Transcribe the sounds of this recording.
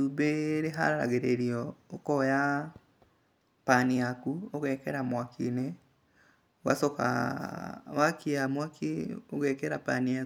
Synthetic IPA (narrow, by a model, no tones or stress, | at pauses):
ubeɾeɦa̰ɾaɾa̰ɣeɾeɾiɔokɔja | paniakuoɣɛːkɛɾamwakʰine | wa̰sɔka̰ | wakiamwakʰḭoɣɛːkɛɾapania